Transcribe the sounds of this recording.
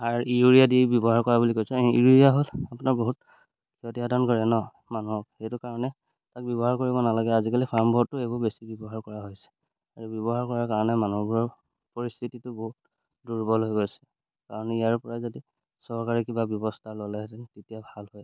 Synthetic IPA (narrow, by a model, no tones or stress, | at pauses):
aɹiuɹijadiejbjɔbɔɦaɹkɔɹabulikojsɛiijaɦolapʊnaɹboɦut̚ | kʰiɔtiɦadɔnkɔɹɛnɔ | manuɦɔb̚xejtʊkaɹɔnɛ | tak̚bjɔbɔɦaɹkoɹibɔnalaɡɛazikalipʰaɹmbɔtːʊebɔbesibjɔbɔɦaɹkɔɹaɦojsɛ̥ | aɹubjɔbɔɦaɹkɔɹaɹkaɹɔnɛmanuɔbuɹɔɹ | pɔɹist̪ʰititʊbɔɦut̚ | duɹbɔlɦojɡojsɛ̥ | kaɹɔnijaɹpɔɹajzodi | sɔɹkaɹikibabjɔbɔstʰalolɛtɛtetijabʱalhoj